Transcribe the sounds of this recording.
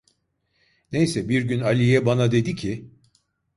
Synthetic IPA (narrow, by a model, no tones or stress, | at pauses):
nejsɛbiɾɟynalʲijɛbanad̪e̞d̪icʰi